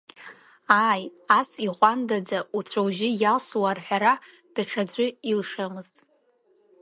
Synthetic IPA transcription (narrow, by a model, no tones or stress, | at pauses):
aːjasiʁʷʼandad͡zaut͡sʷʰawʒɪjalswarħʷᶣaɾa | d̥ɨʈ͡ʂʰad͡zʷʊilʂamɨztʼ